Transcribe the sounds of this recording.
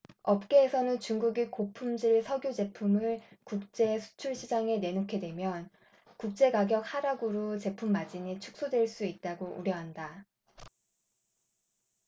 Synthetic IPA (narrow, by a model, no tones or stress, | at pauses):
ʌp̚k͈e̞ːsʰʌnɯnt͡ɕuŋɡuɡikopʰumd͡ʑiɭsʰʌɡjod͡ʑe̞pʰumɯɭkuk̚t͡ɕ͈e̞sʰu̥t͡ɕʰuɭɕʰid͡ʑaŋe̞ne̞nokʰe̞dwe̞mjʌn | kuk̚t͡ɕ͈e̞ɡaɡjʌk̚haɾaɡuɾot͡ɕe̞pʰumːad͡ʑinet͡ɕʰuk̚s͈odweɭs͈uit̚t͈aɡoʔṵɾjʌɦanda